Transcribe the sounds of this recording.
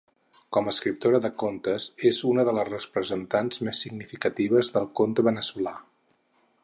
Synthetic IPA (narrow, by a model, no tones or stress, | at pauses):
kɔməːskɾip̚t̪oɾəðəkont̪əzezunəðələzrəspɾəzənt̪anzmesːiɡnifikət̪iβ̞əzðəlˠkont̪əβənəsula